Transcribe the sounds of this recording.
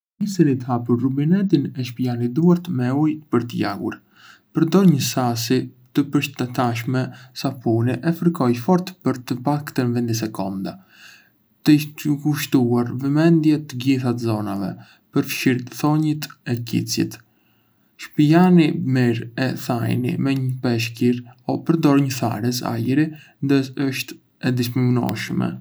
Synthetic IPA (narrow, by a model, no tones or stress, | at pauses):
isinit̪əhapuɾrubinɛt̪̬inɛʃpianid̪uaɾt̪mɛujpəɾt̪əja̰ɡṵɾ | pəɾd̪ɔɲəsasi | t̪əpəɾʃt̪ɛt̪aʃ̬mɛsafuniʔɛfəɾkɔjfɔɾt̪pəɾt̪əpakt̪ənvɛnd̪is̬ɛkɔ̰nd̪a | t̪ət̪əkuʃt̪uaɾvəmɛnd̪jɛt̪əɡiθat̪zɔnavɛ̰ | pəɾfʃiɾθɔɲit̪ɛcḭt͡sjḭt̪ | ʃpijanimiɾɛθajnḭmɛɲəpɛʃ̬kiɾɔpəɾd̪ɔɾɲəθa̰ɾɛsa̰jɾi | nd̪əəʃt̪ | ɛd̪iskɾimunɔ̰ʃmɛ̰